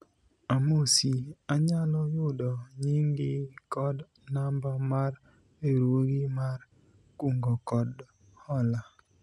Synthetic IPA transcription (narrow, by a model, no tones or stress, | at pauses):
amosiaɲalɔjʊdɔɲɪŋɡɪkɔd | nambamaɾ | eɾoɡimar | kuŋɡɔkɔd | hɔla